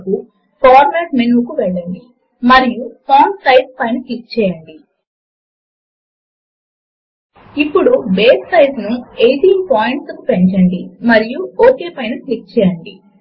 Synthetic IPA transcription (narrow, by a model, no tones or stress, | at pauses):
ku | pʰaːɾmɛːʈmenukuʋɛɭːɐɳɖi | mɐɾijupʰoːnsɐjspɐjnɐklik̚t͡ʃɛːjɐɳɖi | ipːuɽubeːssɐjznuejʈiːnpaːjiɳʈsɐkupeɲt͡ʃɐɳɖimɐɾijuoːkeːpɐjnɐklik̚t͡ʃɛːjɐɳɖḭ